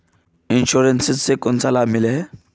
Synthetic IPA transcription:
inɕuɾensizsekont͡salamile

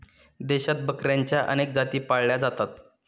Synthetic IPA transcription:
d̪eɕat̪̚bəkɾjaɲt͡ɕjaʔə̰nek̚d͡zat̪iːpaɭɭjad͡zat̪at̪

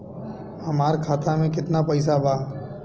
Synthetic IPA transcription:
hɐmaːɾkʰaːt̪amẽkɪt̪napɐɪs̬abʱaː

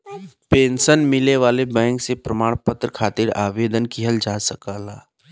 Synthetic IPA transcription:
pẽːnʃənmɪleʋaːlebɛ̃ːŋksepɾəmaːɽ̃pət̪ɾəkʰaːt̪ɪɾa̰ːʋeːd̪ənkiɦəld͡ʒaːsəkaːlaː

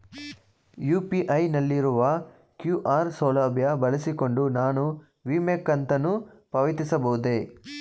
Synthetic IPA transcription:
juːpiʔɐjnɐlːiɾuʋɐ | kjuʔaːɾsɔːlaːbʱjɐbɐɭɐsiko̞ɳɖunaːnu | ʋimekːɐnt̪ɐnu | pɐʋit̪isɐbɐɦud̪e

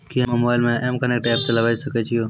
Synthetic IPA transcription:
kiɦəmmobajlmeemkənek̚ʈɛp̚seləbasəkɛt͡ʃʰijo

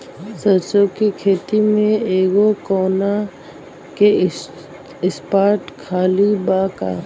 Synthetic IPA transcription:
sɐɾt͡ʃokikʰeːt̪imẽeːɡokoːna | ke | ɪspaːʈkʰaːlibaːka̰

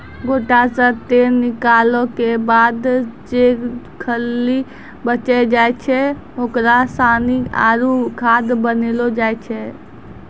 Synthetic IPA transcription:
ɡoːʈasə̃t̪eɾnɪkalõkebad̪d͡ʒe | kʰəlːi | bət͡ʃɛd͡ʒajt͡ʃʰɛ | okɾasania̰ɾukʰad̪bənelod͡ʒajt͡ʃʰɛ

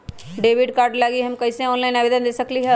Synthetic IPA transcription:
ɖeːʋɪɖkaːɾɖlaːɡiɦɐmkɐɪseɔːnlaɪnaʋeːd̪ənd̪eːsɐkliɦɛ

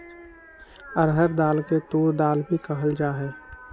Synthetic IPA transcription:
əɾɦəɾd̪aːlket̪oːɾd̪aːlbʱikəɦəld͡ʒaːɦɛː

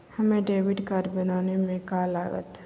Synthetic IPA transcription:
hɐmẽɖeːʋɪɖkaɾbɪnaːnemẽkaːlaːɡə̰t̪

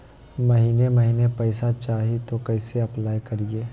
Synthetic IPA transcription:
mɐɦiːnemɐɦiːnepɛɪsat͡ʃaːɦit̪okɐɪseɐplaːjkɐɾiɡeː

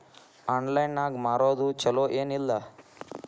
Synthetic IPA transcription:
aːnlɐjnaːɡmaːɾoːd̪ut͡ʃɐloːʔeːnilːɐ

